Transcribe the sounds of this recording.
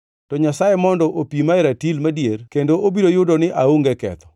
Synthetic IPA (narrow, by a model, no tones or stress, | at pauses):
tɔɲasajemɔndɔʔopimaɪɾatilmadjerkendoʔobidojʊdɔnɪʔaoŋɡɛkɛ̰t̪ɔ̥